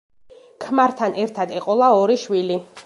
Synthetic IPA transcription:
kʰmaɾt̪ʰanʔɛɾt̪ʰad̪ɛqʼɔlˠaɔɾiʃwili

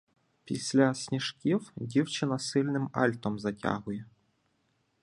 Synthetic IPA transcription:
pʲḭsʲlʲasʲnʲiʂkʲiwdʲiwt͡ɕɪnasɨlʲnɨmɑ̰lʲt̪omzatʲa̰ɣuje

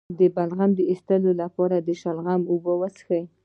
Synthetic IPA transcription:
d̪əbalɣamd̪əist̪əlolapɑɾad̪əʃalɣamobəwəsxə

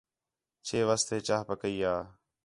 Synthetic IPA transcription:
t͡ʃʰeːʋast̪eːt͡ʃaːɦpəkəiːaː

